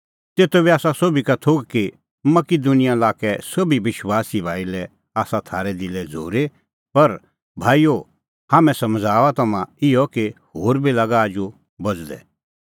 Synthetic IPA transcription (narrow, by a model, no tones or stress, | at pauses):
t̪eːt̪obiaːsasoːbikat̪ʰoːɡki | mɐkid̪unɪjãlaːkɛsɐbiʋɪʃwaːsibʱaːilɛ | aːsat̪ʰaːɾɛd̪ɪlɛd͡zʱo̰ːɾe | pɐɾ | bʱaːijo | haːmɛ̃sɐmd͡zʱaːʋat̪ɐmãɪjɔkehoːɾbilɐɡaːd͡ʒu | bɐd͡zd̪ɛ̰